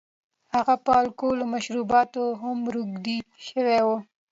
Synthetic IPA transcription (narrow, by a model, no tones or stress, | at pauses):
haɣapɑlkolomaʃɾubɑt̪oɦamɾuɡd̪iʃəwewo